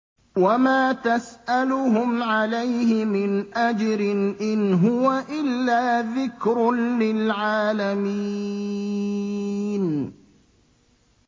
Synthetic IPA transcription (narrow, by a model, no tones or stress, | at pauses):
wamaːt̪asʔalʊɦʊmʕalajhɪmɪnʔad͡ʒɾɪnʔɪnɦʊwaʔɪlːaːðɪkɾʊnlɪlʕaːlami | n